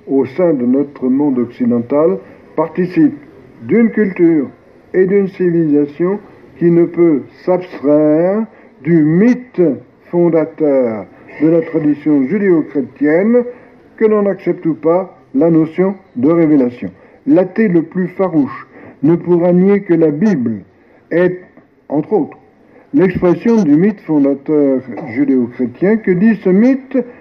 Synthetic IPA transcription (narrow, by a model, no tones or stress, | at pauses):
osɛ̃d̪ənɔt̪χəmɔ̃d̪ɔksid̪ɑ̃t̪al | paʁt̪isip̚ | d̪ynkʲylt̪yʁ | ed̪ynsivilizasjɔ̃kʲinəpøsapst̪χɛʁʁ | d̪ymit̪ | fɔ̃d̪at̪œʁ | d̪əlat̪χad̪isjɔ̃ʒyd̪eokχet̪jɛn | kənɑ̃naksɛp̚t̪upa | lanosjɔ̃d̪əʁevelasjɔ̰̃ | lat̪eləplyfaʁuʃnəpuʁanjekəlabibl | ɛt̪ | ɑ̃t̪χot̪χ | lɛkspχesjɔ̃d̪ymit̪fɔ̃d̪at̪œʁʒyd̪eokχet̪jɛ̃kəd̪isəmit̪